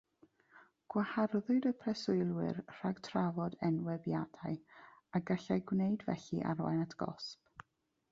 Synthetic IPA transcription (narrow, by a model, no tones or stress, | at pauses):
ɡ̥waharðʊdəpʰrɛsʊɨlˠwɪ̰rr̥aɡ̥tʰravɔdɛnwɛbjadaɨaɡaɬajɡwnejdvɛ̰ɬḭʔa̰ɾɔa̰natʰɡ̥ɔ̰sp